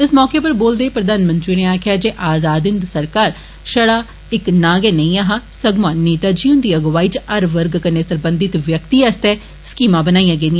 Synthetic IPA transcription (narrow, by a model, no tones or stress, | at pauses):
ɪsmɔːkeːpəɾboːld̪eːpɾəd̪aːnmə̃nt̪ɾiːneːaːkʰɪjaːd͡ʒeːʔaːzaːd̪ɪnd̪səɾkaːɾ | ʃəɽaː | ɪknaːɡeːnəĩːaːɦaːsəɡmãːneːt̪aːd͡ʒiːʊ̃nd̪iːəɡʋaːiːt͡ʃəɾʋəɾɡkəneːsəɾbə̃nd̪ɪt̪ʋjəkt̪iːəst̪ɛː | skiːmãːbənaːijãːɡeːnd̪ijã